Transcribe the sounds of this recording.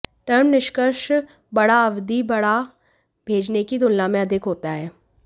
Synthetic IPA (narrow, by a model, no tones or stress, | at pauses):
ʈəɾmnɪʃkəɾʃ | bəɽaəʋd̪ibəɽa | bʱeːd͡ʒnekid̪ʊlːãːmẽəd̪ʱɪkɦoːt̪aɦɛː